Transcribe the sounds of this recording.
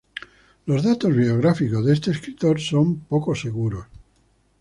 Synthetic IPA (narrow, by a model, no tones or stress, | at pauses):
lo̞zðat̪o̞zβioɣ̞ɾafiko̞zðe̞st̪eːskɾit̪o̞ɾso̞mpo̞kose̞ɣuɾos